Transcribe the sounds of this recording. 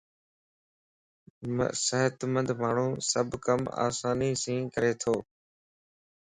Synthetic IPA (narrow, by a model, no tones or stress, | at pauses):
m̰səɦət̪mə̃nd̪ʱmaːɳ̤ũːsəbʱkəma̰ːsaːniːsĩːkəɾeːt̪ʰoː